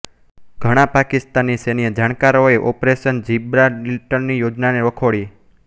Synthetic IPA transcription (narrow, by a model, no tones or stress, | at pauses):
ɡʱəɽ̃ãpakist̪anːisenijəd͡ʒaɽ̃kaɾoeʔɔpɾeʃənd͡ʒibɾaɖilʈənnijod͡ʒnaneʋəkʰoɭi